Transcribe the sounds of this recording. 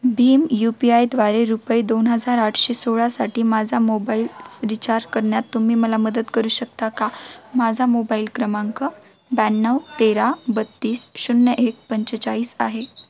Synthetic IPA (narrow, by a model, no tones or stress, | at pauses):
bʱiːmjupiajd̪ʋaɾeɾupəid̪onɦəd͡zaɾaʈʰɕesoɭasaʈiːmad͡zʱamobailɾit͡ɕaɾkəɾɳjat̪ːum̤iːməlaməd̪ət̪kəɾuːɕək̚t̪akamad͡zʱamobailkɾəmaŋkə | bænːəwt̪eɾabət̪ːiːsɕunːəʔek̚pəɲt͡ɕət͡saɭiːsa̰ɦe